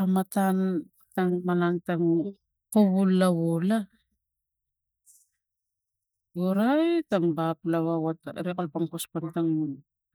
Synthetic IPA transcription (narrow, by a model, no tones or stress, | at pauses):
amatan | taŋmalaŋtaŋ | koβulːaβola | oɾajtaŋbaplaβawataɾekalpaŋkospantaŋnun